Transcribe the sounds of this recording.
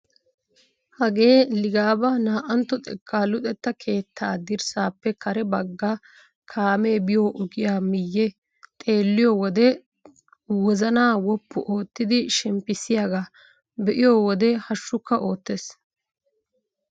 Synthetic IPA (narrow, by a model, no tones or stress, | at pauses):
hɐɡe̞ːlɪɡaːbɐnaːʔɐnt̪ːɔt̪ʼɛkʰʼːaːlʊt̪ʼɛt̪ːɐkʰe̞ːt̪ʰːaːd̪ɪɾsaːpːɛkʰɐɾɛbɐɡːa | kʰaːme̞ːbɪjoːʔʊɡɪjaːmɪjːɛ | t̪ʼe̞ːlːɪjɔwɔd̪ɛ | wɔzɐnaːwɔpːʊʔo̞ːt̪ːɪd̪ɪʃɛmpːɪsɪjaɡa | bɛʔɪjoːwɔd̪ɛhɐʃːʊkːɐʔo̞ːt̪ːes